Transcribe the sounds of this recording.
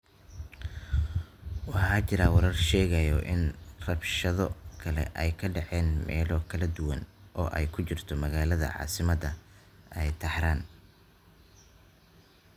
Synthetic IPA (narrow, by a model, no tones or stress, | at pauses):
wɑħɑːt͡ʃɪɾaːwɐɾɐrʃɛːɣɐjɔʔɪnrɐbʃɐðɔkʰɐlɛ̰ʔɛjkʰɐɖɑʕɛːnmɛ̰ːlɔkʰɐlɐd̪ʊwɐnʔɔːʔɛjkʰʊt͡ʃɪrt̪ʰɔmɐɣaːlɐðɐ̰ʕɑ̰ːsɪmɐd̪ɐ | ɛjt̪ʰɐħɾaːn